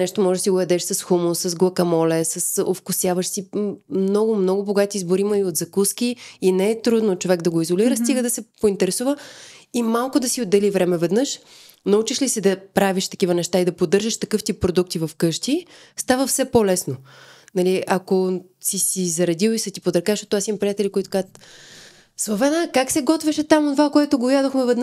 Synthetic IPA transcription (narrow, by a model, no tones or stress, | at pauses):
nɛʃt̪omɔʒɛsiɡojɐd̪ɛʃsɐsxumʊsɐzɡlˠɐkɐmɔlɛsɐso̰fkʊsjavəʃsimnɔɡʊmnɔɡʊboɡat̪izboɾiməiot̪zɐkuskʲiːnɛːt̪ɾud̪not͡ʃovɛɡd̪ɐɡoizoliɾəst̪iɡəd̪ɐsɛpoint̪ɛɾɛsuvəimalˠkʊd̪ɐsiod̪ːɛlivɾɛmɛvɛd̪nɤʃ | nɐut͡ʃiʃlisɛd̪ɐpɾaviʃt̪ɐ̥kivənɛʃt̪aid̪ɐpod̪ɤɾʒəʃt̪ɐkɤft̪ipɾod̪ukt̪ivɐfkɤʃt̪i | st̪avəfsɛpolɛsnonɐliʔɐko | sisizɐɾɐd̪ʲiwisɐt̪ipod̪ɾɐkaʃt̪ɔt̪asimpɾʲijat̪ɛlʲikoit̪ʊ̥kazt̪ | svovɛnakaksɛɡɔt̪viʃɛt̪amotnovakoɛt̪ʊɡojad̪oxmɛvɛd̪n